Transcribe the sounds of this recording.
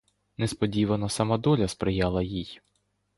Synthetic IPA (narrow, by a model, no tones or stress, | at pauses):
nɛspɔdʲiʋɐnɔsɐmad̪ɔlʲɐspɾɪjɑlˠɐjij